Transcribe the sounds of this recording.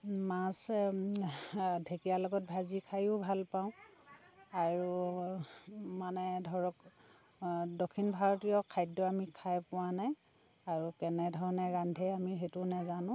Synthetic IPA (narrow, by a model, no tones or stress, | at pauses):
mas | dʱekijalɔɡɔt̚bʱazikʰajʊbʱalpãʊ̃ | aɹu | manɛdʱɔɹɔk | dokʰːinbʱaɹɔtijɔkʰajdɔamikʰajpʊwanaj | aɹukɛnɛdʱɔɹɔnɛɹandʱɛamiɦetunɛzanʊ̃